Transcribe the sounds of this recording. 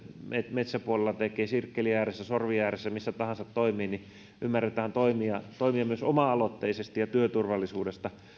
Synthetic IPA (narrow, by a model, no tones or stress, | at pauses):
metmet̪sæpuolelːɑt̪ekˑeːsirkːeliæːresːæsorʋiæːresːæmisːæt̪ɑhɑnsɑt̪toimiːni | ʔymːærːet̪æːnt̪oimiɑt̪oimiɑmyøsomɑɑlot̪ːeisest̪ijɑt̪yøt̪urʋɑlːˑisuːdest̪ɑ